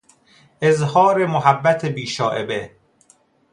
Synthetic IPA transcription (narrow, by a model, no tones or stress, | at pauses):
ʔezhɒːɾemoɦæbːæt̪ʰebiːʃɒːʔe̞be